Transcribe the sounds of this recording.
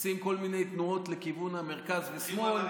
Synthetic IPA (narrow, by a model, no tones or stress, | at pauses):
simko̞lmine̞jt̪nuo̞t̪lekivunhameʁkazvesmo̞l